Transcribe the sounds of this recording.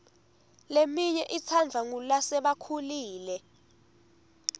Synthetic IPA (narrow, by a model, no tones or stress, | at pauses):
lemiɲɛʔit͡sʰand͡ɮʱaŋulasɛɓakʰuliːlɛ